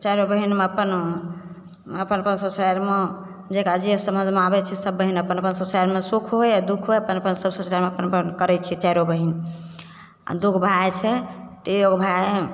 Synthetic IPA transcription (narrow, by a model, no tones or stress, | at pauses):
t͡ʃajɾobəɦinmeəpən | əpənəpənsosajɾme | d͡ʒekad͡ʒiesəmə̃d͡ʒʱmeabɛt͡ʃʰɛsəbːəɦinəpənəpənsosajɾmesukʰɦoead̪ukʰɦojəpənəpənsəbsosaɾmeəpənpənkəɾɛt͡ʃʰɛt͡ʃajɾobəɦin | a̰d̪ukʰbʱaet͡ʃʰɛt̪ejoɡbʱae